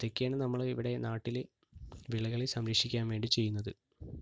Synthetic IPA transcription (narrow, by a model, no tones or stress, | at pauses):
t̪ekːaːɳɨnɐmːɐɭiʋiɽe̞naːʈːil | ʋiɭɐɣɐɭisɐmɾekʂikʲːaːnʋe̞ːɳɖit͡ɕe̞jːunːɐðɨ